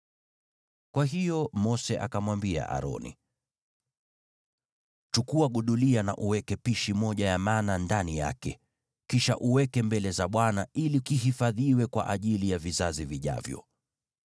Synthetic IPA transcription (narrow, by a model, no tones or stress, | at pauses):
kwaɦijɔmɔsɛʔa̰kamwambia̰ʔa̰ɾɔ̰nḭ | tukuwaɠuɗuliana̰ʔuwɛkɛpiʃimɔʄajamaːnandanija̰kɛ | kiʃa̰ʔuwɛkɛmbɛlɛzaɓwanailikiɦifaðiwɛkwa̰ʔaʄilijavizaziviʄa̰vjɔ̰